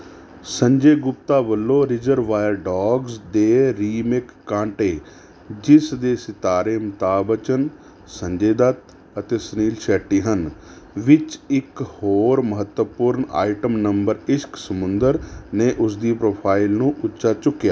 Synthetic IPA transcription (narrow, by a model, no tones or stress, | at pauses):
səɲd͡ʒeːɡʊp̚t̪aːbəlːõːɾɪzəɾʋaːjəɾɖɔːɡzd̪eːɾiːmeːkːãːɳʈeː | d͡ʒɪsd̪eːsɪt̪aːɾeːmət̪aːbət͡ʃən | səɲd͡ʒeːd̪ət̪ | ət̪eːsəniːlʃɛːʈːiːɦənʋɪt͡ʃɪkhoːɾməɦət̪wəpʊɾna̰ːiʈəmnəmbəɾɪsksəmʊnd̪əɾneːʔʊsd̪iːpɾoːpʰaːilnũːʔʊtːʃaːt͡ʃʊkːjaː